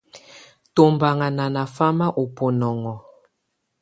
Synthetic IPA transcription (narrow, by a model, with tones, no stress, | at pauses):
to˨mba˨ŋa˨na˨na˨fa˦ma˦ʔo˨po˨nɔ˨ŋɔ˨